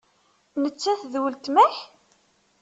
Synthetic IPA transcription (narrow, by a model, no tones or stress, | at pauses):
nət͡sːæθðwəlt̪mæħ